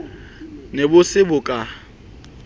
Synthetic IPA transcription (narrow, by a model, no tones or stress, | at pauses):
nebʊsɪbʊkʼa